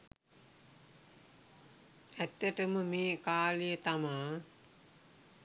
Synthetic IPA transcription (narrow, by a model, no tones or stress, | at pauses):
æt̪ːəʈəməmeːkaːlijət̪amaː